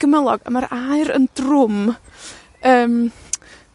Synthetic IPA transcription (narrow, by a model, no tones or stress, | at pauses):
ɡ̥əməlˠɔɡə̰maɾajɾə̰ndrʊm | əːm